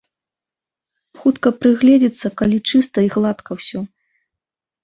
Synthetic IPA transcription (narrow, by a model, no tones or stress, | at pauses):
xut̪kɐpɾɨɣlʲɛd͡zʲit̪sːɐkalʲit͡ʂɨst̪ɐiɣlˠat̪kʰɐwsʲɔ